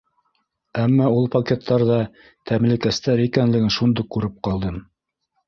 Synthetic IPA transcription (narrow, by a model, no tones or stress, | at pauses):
æmːɑulˠpɐkʲet̪ʰːɑɾðɑ | t̪ʰæmlɘ̆kæst̪æɾikænlɘ̆ɡɘnʃund̪ɤkʉɾɘp̚qɑlˠd̪ɤm